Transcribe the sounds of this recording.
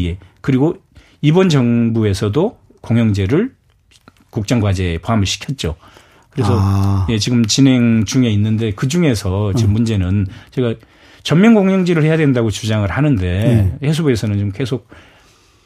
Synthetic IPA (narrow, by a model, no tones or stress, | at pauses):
e̞kɯɾiɡo | ibʌnd͡ʑʌŋbue̞sʰʌdo | koŋjʌŋd͡ʑe̞ɾɯɭ | kuk̚t͡ɕ͈aŋɡwad͡ʑe̞poɦamɯɭɕʰi̥kʰjʌt̚t͡ɕ͈o | kɯɾe̞sʰʌje̞t͡ɕiɡɯmt͡ɕinɦe̞ŋt͡ɕuŋe̞inːɯnde̞kɯd͡ʑuŋe̞sʰʌt͡ɕʌmund͡ʑe̞nɯnt͡ɕeɡa | t͡ɕʌmmjʌnɡoŋjʌŋd͡ʑeɾɯɭhe̞jadwendaɡot͡ɕud͡ʑaŋɯɭhanɯnde̞hes̬ʰobe̞sʰʌnɯnt͡ɕomke̞sʰok̚